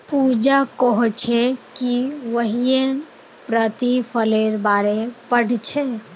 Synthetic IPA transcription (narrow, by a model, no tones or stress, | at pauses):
puːd͡ʒakɔɦɔt͡ʃʰekiʋəɦiẽ | pɾət̪ipʰəleɾbaːɾepəɽ̤ʱt͡ʃʰe